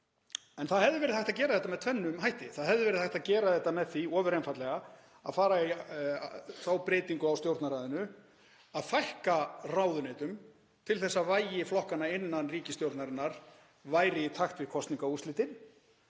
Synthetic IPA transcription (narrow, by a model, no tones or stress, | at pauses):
ɛnθaðɦɛvðʏvɛːɾɪðhajht̪acɛːɾaðɛt̪amɛðt̪ʰvɛnːʏmɦajht̪ɪθaðɦɛvðʏvɛɾɪðhajht̪aðcɛːɾaðɛht̪ːamɛðθiɔːvʏɾejnfajt̪lɛɣa | a̰ðfaːɾai | θawpɾeːt̪iŋkʏawst̪jowɾt̪naɾaːðʏnʏ | aðfajhkaraːwðʏneːt̪ʏm | t̪ʰɪlθɛsːavaːjɪflɔhkanaɪnːanriːcɪst̪jowɾt̪naɾɪnːaɾ̥ | vaːjɾɪit̪ʰaxt̪vɪðkʰɔst̪niŋkaust̪lɪːt̪ɪn